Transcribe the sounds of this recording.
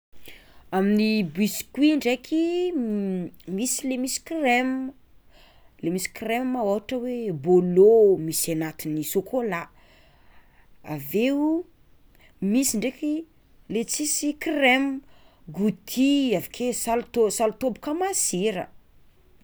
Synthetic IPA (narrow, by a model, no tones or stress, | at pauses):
aminibiskwiɳɖ͡ʐekʰi | misilemisi̥krem | lemisi̥kremːaoɦaʈ͡ʂəwebolomisanat̪inisokʰola | a̰veu | misiɳɖ͡ʐeki | let͡sisikrem | ɡut̪ʰiavḁkʰesalut̪osalut̪obu̥kamaziɾə̰